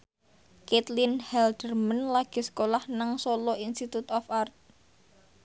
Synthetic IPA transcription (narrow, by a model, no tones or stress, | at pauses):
ket̪linhɛld̪̥ərmənlaɡ̥i̤sə̥kolahnaŋsolɔinst̪it̪ut̪ɔfart̪̚